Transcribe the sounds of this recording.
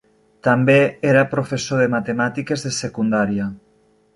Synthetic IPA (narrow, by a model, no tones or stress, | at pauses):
t̪ambeeɾapɾofesoðemat̪emat̪ikezðesekund̪aɾja